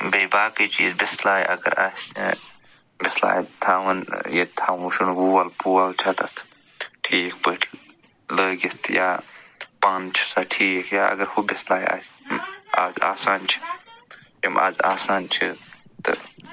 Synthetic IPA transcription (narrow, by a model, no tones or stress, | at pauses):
beːbaːkit͡ʃʰḭːzbislaːj̰ʔɐ̰ɡɐ̰ɾaːsʲ | bɪsla̰ːjt̪ʰaːʋɐnjet̪ʰaːʋuʃunwuːɐlpuːalt͡ʃʰat̪ɐt̪ʰ | ʈʰiːk̚pəːʈʰi | ləːɡit̪ʰjaːpaːnt͡ʃʰi̥saʈʰiːkjaːɐ̰ɡɐɾhubɪslaːja̰ːsma̰ːza̰ːsaːnt͡ʃʰi̥ | jɐma̰ːza̰ːsaːnt͡ʃʰit̪ɨ̰